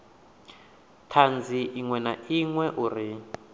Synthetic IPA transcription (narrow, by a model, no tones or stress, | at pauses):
tʰand͡zʱiʔiŋwɛnaʔiŋwɛʔuri